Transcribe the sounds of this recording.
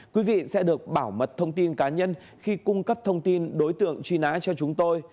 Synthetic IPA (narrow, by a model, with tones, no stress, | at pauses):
kwi˨˦vḭ˧˨sɛ̰˧˥ɗɨ˨˩ək̚ɓaː˧˩wmə˨˩t̚t̪ʰə˧wŋ͡mt̪i˧nkaː˨˦ɲə˧n | xi˧kʊ˧ŋ͡mkə˦˥p̚t̪ʰə˧wŋ͡mt̪i˧nɗo˨˦jt̪ɨ̰˧˨əŋt͡ɕwi˧na̰ː˧˥t͡ɕɔ˧t͡ɕʊ˨˦ŋ͡mt̪o˧j